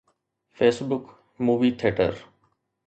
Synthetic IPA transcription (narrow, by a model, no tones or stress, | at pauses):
feːsbʊk | muːʋiːt̪ʰeːʈə̰ɾ